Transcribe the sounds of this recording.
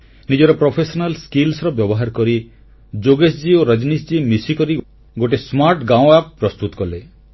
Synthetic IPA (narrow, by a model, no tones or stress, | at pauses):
nid͡ʒɔɾɔpɾopʰesɔnalskilsɾɔbjɔbɔɦaɾkɔɾi | d͡ʒoɡesd͡ʒioɾad͡ʒnisd͡ʒimisikɔɾi | ɡoʈesmaɾʈɡaw̃ap̚pɾɔst̪ut̪ɔkɔle